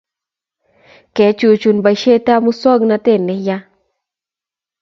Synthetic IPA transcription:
kɛ˨˦t͡ʃu˧t͡ʃu˨nba˨jʃe˦t̪a˦mu˦sɔ˦ɡna˧t̪e˦˨nːe˨˧ja˦

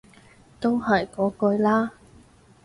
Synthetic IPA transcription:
t̪o˥whɐ˨˩jkɔː˨˥kɵ˧ɥlaː˥

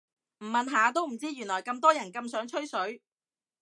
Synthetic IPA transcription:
m̩˨˩mɐ˨nɦaː˨˧t̪̬o˥wm̩˨˩t͡siː˥jyː˨˩nlɔː˨˩jkɐ˧mt̪ɔː˥jɐ˨˩nkɐ˧msœː˨˥ŋt͡ʃʰɵ˥ɥsɵ˨˥ɥ

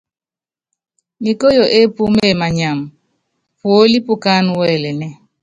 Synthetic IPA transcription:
mi˨ko˦jo˨ʔe˦pu˦me˦˨ma˨ɲa˨m | pwo˦li˦pu˦ka˦n˨wɛː˦˨lɛ˨nɛ˦

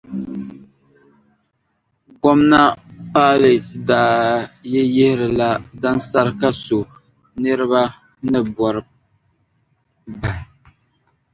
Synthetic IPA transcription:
ɡɔ˦mna˦paː˦le˨tdaː˨˦jɛ˦jɛ˦hɪ˦ɾɨ˨la˦da˦nsa˦ɾɨ˦ka˦so˨ | nɨ˦ɾɨ˦ba˦ | nɨ˦bɔ˨ɾɨ˨ | ba˨

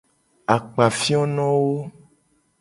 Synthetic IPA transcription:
a˨k͡pa˨fi˦ɔ˦nɔ̃˦wo˦

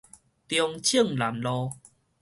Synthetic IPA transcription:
t̪jɔ˧ŋt͡ɕʰə˥˨ŋla˨˦mlɔ˧

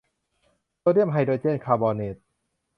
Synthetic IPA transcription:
t̪oː˧di˥˩əmɦa˧jdoː˧˩t͡ɕe˥˩˨nkʰaː˧bɔː˧ne˨˩t̪̚

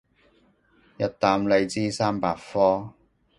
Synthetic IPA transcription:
jɐ˥t̚t̪aː˧mle˨˧jt͡siː˥saː˥mpaː˨˧t̚fɔː˥

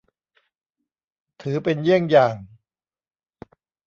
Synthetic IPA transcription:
t̪ʰɯː˩˦pe˧njɯ˥˩əŋjaː˨˩ŋ

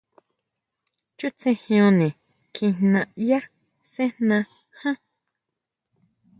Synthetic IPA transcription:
t͡ʃu˦t͡sẽ˧hj̃õ˧nĩ˨ | kʰĩ˧nnã˧ʔja˦ | sẽ˦nnã˧ | hã˦

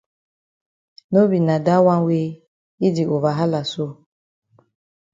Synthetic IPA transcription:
no˦bi˨na˨da˦wa˦n˦we˦ | i˦di˨ʔo˨va˨ɦa˦la˨so˦

